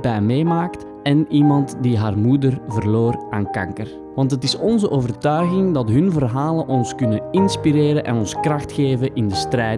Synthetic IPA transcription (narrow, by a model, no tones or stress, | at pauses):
bɛjmeːmaːkt | ɛnimɑntdiɦaːrmudərvərloːraːnkɑ̰ŋkər | ʋɑntɦətɪsɔnzəʔoːvərtœɥɣɪŋdɑtɦɵnvərɦaːlənʔɔnskɵnənɪnspiɾeːɾənʔɛ̰nɔnskrɑxtxeːvəʔɪndəstrɛː